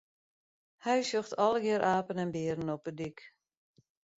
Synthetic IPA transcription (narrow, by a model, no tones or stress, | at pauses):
hɛjsøxtʰɔlˠəɡɪəɾʔaːpənɛnbɪːɾən̩ɔpədik